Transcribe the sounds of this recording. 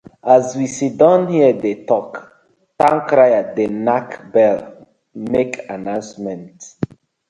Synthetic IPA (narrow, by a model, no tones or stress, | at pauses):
azwisidãnhiədetɔk | tãŋkɹajadenakbɛl | mekanãʊ̃nsmɛ̃nt